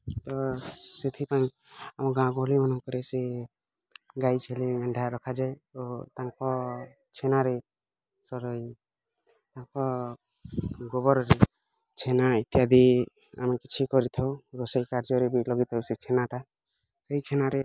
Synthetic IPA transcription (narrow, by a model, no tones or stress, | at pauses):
t̪ɔset̪ʰipaĩ | amɔɡãkːlimanɔŋkɔɾese | ɡajt͡ʃʰelimɛɳɖʱaɾɔkʰad͡ʒaeot̪aŋkɔ | t͡ʃʰenaɾe | sɔɾɔi | t̪aŋkɔ | ɡɔbɔɾɔɾe | t͡ʃʰenait̪jad̪i | a̰mekit͡ʃʰikɔɾit̪ʰawɾosajkaɾd͡ʒɔɾebilɔɡit̪ʰɔwset͡ʃʰenaʈa | seɦjt͡ʃʰenaɾe